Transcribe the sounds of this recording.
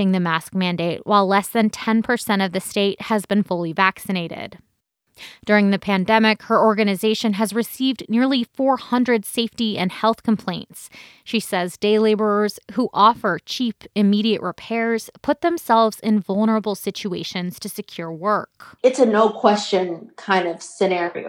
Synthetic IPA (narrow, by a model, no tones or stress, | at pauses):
ɪ̃ŋðɨmæsk̚mæ̃ndeɪʔ̚wʔaɪlɛsðɨ̃ntʰɛ̃npʰə˞sɛ̃ɾ̃ʌvðɨsteɪt̚hɨzbɨ̃nfʊlˠivæksɨneɪɾɪ̰d̥ | d̥ʊɹɪ̃ŋðɨpʰæ̃ndɛmɪkhə˞ɔɹɡɨnɨzeɪʃɨ̃nɨzɹɨsivⁿnɪɹlˠifɔɹhʌ̃ndɹɨd̥seɪftiɨ̰̃nhɛlˠθkʰm̩pʰl̥ẽɪ̃nts | ʃisɛzdeɪleɪbə˞ə˞z̥huʔɔfə˞t͡ʃʰipɨmiɾiɨʔɹɨpʰɛɹz̥pʰʊt̪̚ðɨ̃msɛlˠvzɪ̃nvʌlˠnə˞əbl̩ˠsɪt͡ʃʉeɪʃɨ̃nz̥tʰɨsɨkʰj̥ʊɹwɜ˞kɨtsɨnoʊkʰw̥ɛst͡ʃɨ̃nkʰãɪ̃ndʌv̥sɨnɛɹḭo̰ʊ